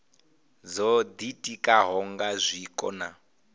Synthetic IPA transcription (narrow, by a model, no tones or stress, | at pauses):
d͡zɔd̪itʼikʼaɦɔŋɡazʷikʼɔ̰na̰